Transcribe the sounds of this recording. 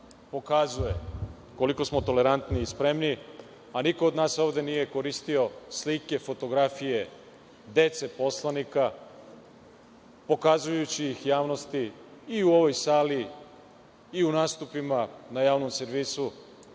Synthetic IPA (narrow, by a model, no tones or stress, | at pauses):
po̞kazuje̞ | ko̞liko̞smo̞t̪o̞le̞ɾant̪niːspɾe̞mni | aniko̞ːd̪naːso̞ːʋd̪e̞nije̞ko̞ɾist̪io̞slike̞fo̞t̪o̞ɡɾafije̞ | d̪e̞t̪se̞po̞slˠanika | po̞kazujut͡ɕiixjaːʋno̞st̪iːuo̞ʋo̞jsaːli | unaːst̪upimanajaːʋno̞mse̞ɾʋiːsu